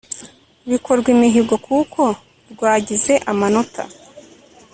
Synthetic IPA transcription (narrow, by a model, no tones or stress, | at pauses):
βikʰoɾɡwimiɦibɡo̞kʰukʰo̞ | ɾɡwaːɟize̞ʔamano̞tʰa̰